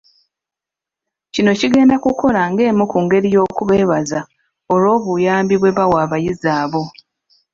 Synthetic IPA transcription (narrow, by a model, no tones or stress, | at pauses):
cino̞ciɡe̞ːndakuko̞laŋɡe̞ːmukuːŋɡe̞ɾijo̞ːkuβe̞ːβaza | olo̞ːβujaːmbiβwe̞βawaːβajizaːβo̞